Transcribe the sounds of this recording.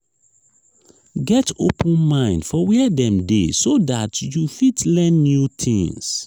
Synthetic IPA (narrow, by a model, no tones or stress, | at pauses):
ɡɛto̰pʰə̃nmãɪ̃ndfɔwɛdɛ̃mdḛsodatjufitlɛ̃nːjutʰḭ̃ŋs